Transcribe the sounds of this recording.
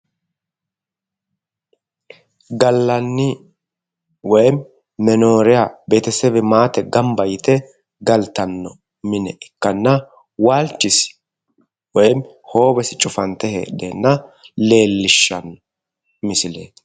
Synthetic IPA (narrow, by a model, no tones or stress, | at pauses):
ɡɐlːɐnːɪ | wɔjm | mɛno̞ːɾɪjaːbeːt̪ɛsɛbɛmaːt̪ɛɡɐmbɐjɪt̪ɛ | ɡɐlt̪ɐnːɔ | mɪnɛʔɪkːɐnːɐ | waːlt͡ʃːɪs | wɔjm | ho̞ːbɛsɪt͡ʃʼʊfɐnt̪ɛhḛːdenːɐle̞ːlːɪʃːɐnːɔ | mɪsɪlḛːt̪